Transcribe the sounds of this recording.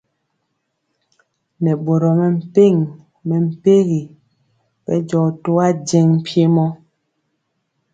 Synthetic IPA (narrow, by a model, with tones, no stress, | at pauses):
nɛ˨ɓo˨ɾɔ˨mɛ˨m̩˨pe˦˨ŋ | mɛ˨m̩˨pe˦ɣi˨ | ɓɛ̰˦d͡ʒɔ˨to˦a˦d͡ʒɛ˦ŋ̩˨pje˦mɔ˦